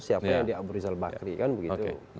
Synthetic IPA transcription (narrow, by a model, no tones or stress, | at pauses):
siapajaŋdiabuɾizalbakɾikanbəɡit̪ṵ